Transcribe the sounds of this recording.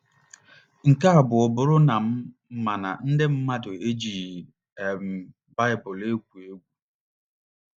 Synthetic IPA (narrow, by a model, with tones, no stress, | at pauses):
ŋ̩˨ka˦a˨bʊ˨ɔ˨bʊ˨ɾʊ˦na˨m̩˦˨˦ | ma˨na̰˨n̩˦dɪ˦m̩˦ma˦dʊ˨e˦d͡ʒi˨ | e˨m̩˨ | ba˦ɪ˨bʊ˨le˦ɡʷu˨e˦ɡʷu˦